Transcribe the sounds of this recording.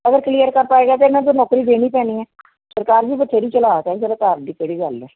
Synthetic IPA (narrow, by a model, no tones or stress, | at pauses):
əɡəɾklijəɾkəɾpaːeːɡaːt̪emɛ̃ːd͡ʒ̪oːnɔːkɾiːd̪eːniːpɛːniːɛː | səɾkaːɾd͡ʒiːbəʈːʃeːɾiːt͡ʃəlaːk̪ɛːzəɾaːt̪aːɾd̪iːkeɽiːɡəlːɛː